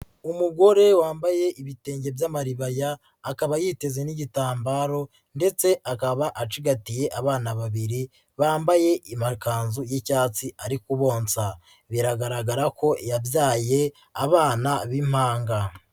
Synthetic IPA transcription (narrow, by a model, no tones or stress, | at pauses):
umuɡo̞ɾe̞waːmbaje̞ʔiβite̞ːɲɟe̞bjamaɾiβajaː | kaβajiːte̞ze̞niɟitaːmbaːɾo̞ | nde̞t͡se̞ʔakaβaʔat͡ʃiɡatije̞ʔaβaːnaβaβiɾi | βaːmbaje̞ʔimakaːnzujicaːt͡siaɾikuβo̞ːnsa | βiɾaɡaɾaɡaɾako̞ijabjaːje̞ | aβaːnaβim̥haːŋɡa